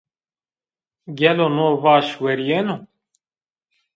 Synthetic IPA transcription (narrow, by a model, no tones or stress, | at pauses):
ɡɛlonoːvaːʃwɛɾijeno